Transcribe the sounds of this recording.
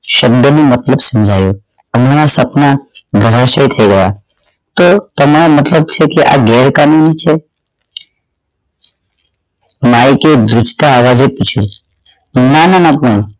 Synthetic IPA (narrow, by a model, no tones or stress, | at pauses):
ʃəb̚d̪ʱənũmət̪ləbsəmd͡ʒʱaju | əmaɾasəpnaɡʱəɾaʃəjt̪ʰəjɡəja | t̪ot̪əmaɾamət̪ləb̚t͡ʃʰekeʔa̰ɡɛːɾkanunit͡ʃʰe | maiked̪ɾʊt͡ʃt̪aːʋad͡ʒeput͡ʃʰil | nananapə̃